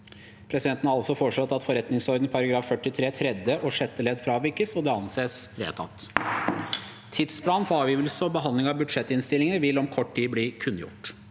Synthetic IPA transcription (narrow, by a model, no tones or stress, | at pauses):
pʰɾɛsɪd̪ɛnt̪n̩ɑɑlsɔfɔʂɑt̪ːɑt̪fɔɾɛt̪nɪŋsɔɾd̪n̩pʰɑɾɑɡɾɑːfːœʈːɪt̪ʰɾeːt̪ʰɾɛd̪əʔɔʂɛt̪ːəleːd̪fɾɑːʋɪɾkəsɔd̪ɛːɑnseːsɾḛːt̪ʰɑ̰t̪ː | t̪ʰɪd̪spʰlɑːnfɔɾɑːʋjiːʋəlsəɔbəɦɑnd̪lɪŋɑbʉd̪ʂɛt̪ːɪnst̪ɪlɪŋənəʋɪlɔmkʰɔʈːʈiːbliːkʰʉnːjʊ̰ʈ